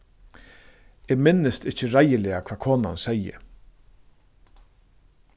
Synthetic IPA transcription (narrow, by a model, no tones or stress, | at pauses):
ɛːmɪnːəst̪ɪht͡ʃəɾajəlɛːakʰv̥aːkʰoːna̰nsɛjə̰